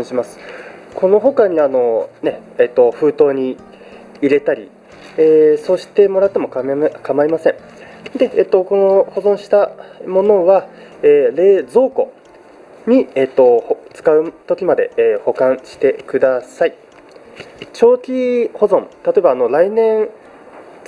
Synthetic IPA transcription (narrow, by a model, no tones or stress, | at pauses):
ɕimasɨ̥ko̞no̞ɦo̞kaɲ̟iano̞ne̞eːt̪ːo̞ɸɯ̟ːt̪o̞ːɲ̟iː | ɾe̞t̪aɾʲi | eːso̞ːɕi̥t̪e̞mo̞ɾat̪ːe̞mo̞kkamaimasẽ̞ɴ | d̪e̞eːt̪ːo̞ko̞no̞ho̞zõ̞ɰ̃ɕi̥t̪amo̞no̞βa | eːɾe̞ːd͡zo̞ːko̞̰ | ɲ̟ieːt̪ːo̞ht͡sɨ̥kaɯ̟t̪o̞kʲimad̪e̞eːho̞kãɰ̃ɕi̥t̪e̞kɯ̟d̪asai | t͡ɕo̞ːkʲiho̞zõ̞nt̪at̪o̞ebaːno̞ɾainẽ̞ɰ